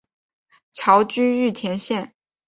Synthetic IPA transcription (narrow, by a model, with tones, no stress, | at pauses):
t͡ɕʰjɑ˧˥ʊt͡ɕy˥y˥˩t̪ʰjɛ˧˥nɕjɛ˥˩n